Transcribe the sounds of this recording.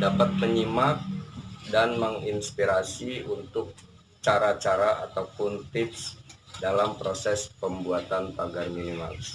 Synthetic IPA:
dapat̪̚məɲimak̚danməŋinspiɾasiunt̪ʊk̚ | t͡ʃaɾat͡ʃaɾaʔat̪awpʊnfɪt̪sdalampɾosɛspəmbuat̪anp̪aɡarminima̰ls

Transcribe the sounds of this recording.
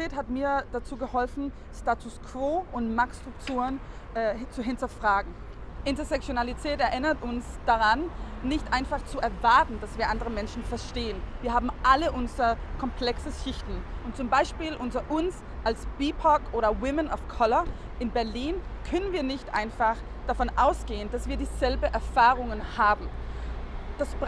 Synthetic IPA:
ɛːthatmiːɐd̥at͡suːɡəhɔlfn̩ | staːtʰʊskʰv̥oːʔʊntmakstʁʊktʰuːʁən | ʔɛːt͡suɦɪntɐfʁ̥aːɡŋ̩ | ʔɪntɐzɛk̚t͡sjonalitʰɛːtɛɐʔɪnɐtʊnsd̥aʁanːɪçtʔaɪnfaχt͡suʔɛɐvaɐtn̩d̥asv̥iːɐʔandəʁəmɛnʃn̩fɛɐʃteːənviːɐɦaːbm̩ʔaləʔʊnzʁɐkʰɔmpʰl̥ɛksəʃɪçtn̩ʔʊntt͡sʊmbaɪʃpiːlʔʊntɐʔʊns | ʔalsb̥iːpʰɔkʔoːɾɐwɪmənafkʰɔlɐ | ʔɪnbɛɐliːnkʰœnənviːɐnɪçtʔa̰ɪnfaχ | d̥afɔnʔaʊsɡ̥eːənd̥asv̥iːɐdiːzɛlbəʔɛɐfaːʁʊŋənhaːbm̩ | d̥as

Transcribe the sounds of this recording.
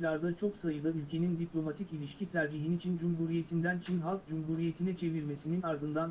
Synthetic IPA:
lʲaɾd̪at͡ʃʰo̞ksajɯlˠɯylʲcʰe̞nind̪iplʲo̞mat̪ʰicilʲiʃcʰit̪ʰæɾd͡ʒiɦinit͡ʃʰind͡ʒumɦuːɾije̞t̪ʰind̪ænt͡ʃʰinɦalˠkd͡ʒumɦuːɾije̞t̪ʰinɛt͡ʃʰe̞viɾme̞sininaɾd̪ɯnd̪an

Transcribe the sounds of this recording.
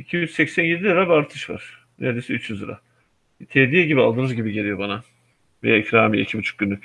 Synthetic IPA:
icʰijyt͡ʃsɛcsænjed̪ʲilɯɾabɛaːɾt̪ʰɯʃva̰ɾ̥ | nʔḛɾd̪ejsɛyt͡ʃjyzɯ̰ɾa̰ | t̪ʰed̪ijɛɟibialˠd̪ɯːnɯzɟibiɟeɾʲijo̞bana | vejaicɾaːmiɛ̰cʰibut͡ʃʰu̥k̚ɟynːy

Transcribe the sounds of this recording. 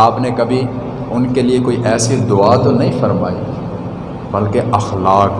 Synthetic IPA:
aːpnekɐbʱi | ʊnkeliekoːiʔɛːsid̪ʊat̪onɐɦĩfɐɾma̰ːi | bɐlkeʔɐxlaːk

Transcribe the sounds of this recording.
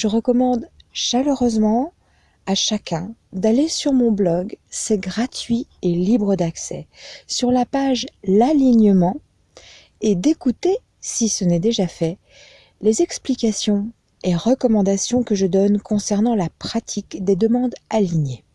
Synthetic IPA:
ʒəʁəkɔmɑ̃d̪ʃaləʁøzmɑ̃ | aʃakʲɛ̃d̪alesyʁmɔ̃blɔɡsɛɡʁat̪ɥielibʁəd̪aksɛ̰syʁlapaʒlaliɲəmɑ̃ | ed̪ekut̪e | sisənɛd̪eʒafɛ | lezɛksplikasjɔ̃ | eʁəkɔmɑ̃d̪asjɔ̃kəʒəd̪ɔnkɔ̃sɛʁnɑ̃lapχat̪ʰikd̪ed̪əmɑ̃d̪aliɲe

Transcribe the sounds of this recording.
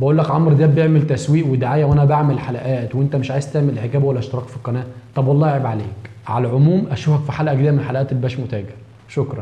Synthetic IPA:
bæʔuːlːækʕɑmɾd̪æːbjeʕmelt̪æswiːʔwed̪aʕaːjæwʔænæbaʕmelħalæʔæːt̪wʔent̪æmeʃʕaːjezt̪eʕmelħekæːbwælːæʔæʃt̪ɑɾˤɑːqfiqːɑnæːʔt̪ˤɑbwɑlːˤɑːeʕebʕaleːk | ʕalæʕomuːmʔæʃuːfhækfiħalʔæʔæɡd̪æːʔæmenħalæʔæːt̪elːibæːʃmot̪æːɡeɾ | ʃokɾˤɑ̰n

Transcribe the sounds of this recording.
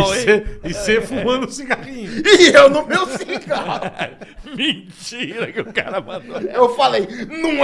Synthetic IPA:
seɪsefumɐ̃d̪ʊsĩkaʁĩɲʊɪewnʊmewsika | mẽt͡ʃiɾɐkɪʊka̰ɾɐmɐ̃doewfalejnɐ̃w̃

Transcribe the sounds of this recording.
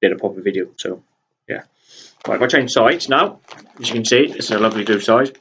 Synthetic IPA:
d̥ɛɾəpʰɒpəvɪdioʊso̰ʊ | jæ̰ | ɹa̰ɪvaɪt͡ʃʰẽɪ̃n̥saɪdsnaʊɪzjəkʰə̃nsiːɪʔðɪsɪzəlʌvlidʉ̥ːsaɪd̥

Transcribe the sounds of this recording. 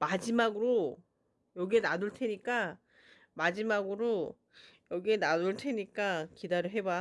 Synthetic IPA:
mad͡ʑimaɡɯɾo | jʌɡienaduɭtʰe̞ɲik͈a | mad͡ʑimaɡɯɾo | jʌɡienaduɭtʰe̞ɲik͈akidaɾɯɭɦe̞ba

